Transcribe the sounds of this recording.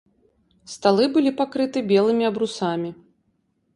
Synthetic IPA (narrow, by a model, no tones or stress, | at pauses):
st̪alˠɨbɨlʲipakɾɨt̪ɨbʲɛlˠɨmʲiɐbɾusamʲi